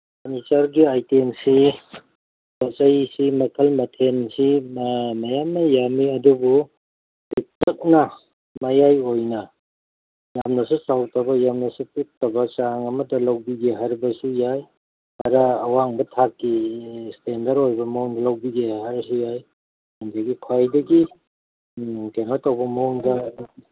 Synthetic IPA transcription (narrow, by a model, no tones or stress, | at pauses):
mɐnitaɾɡiajtemsi | pɐt͡ʃɐjsimɐkʰɐlmɐtʰensimɐjamnɐjamiɐdubu | tik̚tɐk̚nɐ | mɐjajojnɐ | jamnɐsusawtɐbɐjamnɐsupuk̚tɐbɐt͡ʃaŋɐmɐtɐlɐwbiɡeɦaɾbɐsujaj | hɐɾɐːwaŋbɐtʰakːistendɐɾojbɐmɐɔŋdɐlɐwbiɡeɦaɾsujaj | andɐɡikʰwajdɐɡi | kenatɐwbɐmɐuŋdɐ